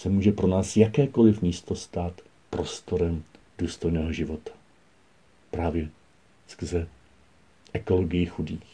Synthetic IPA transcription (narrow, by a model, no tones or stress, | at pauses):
sɛmuːʒɛpɾo̞naːsjakɛːko̞lɪfmiːst̪o̞st̪aːt̪ | pɾo̞st̪o̞ɾɛm | d̥uːst̪o̞jnɛːɦoʒɪvo̞t̪ḁ | pɾaːvjɛ | skr̩zɛ | ʔɛko̞loɡɪjɪxudiːx